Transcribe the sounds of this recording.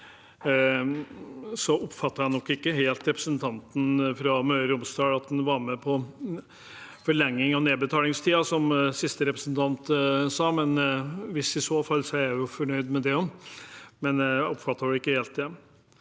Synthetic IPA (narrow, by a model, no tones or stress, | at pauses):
sɔʔʊpfɑt̪ːɑɾɑnɔkːɪkːəɦeːlt̪ɾɛpɾəsənt̪ʰɑnt̪n̩fɾɑmøːɾʊmst̪ɑːɡɑt̪̚d̪ɛnʋɑɾmɛpʰɔ | fɔɭɛŋːɪŋɑneːbət̪ʰɑːlɪŋst̪ʰiːɑsɔmsɪst̪əɾɛpɾəsnt̪ʰɑnt̪sɑːmɛnʋɪsɪsoːfɑlːsɔæɾjʊfɔɳœʏd̪mɛd̪ɛɔm | mɛnʊpfɑt̪ːɑɾʋʉɪkːəheːlt̪̚d̪ɛ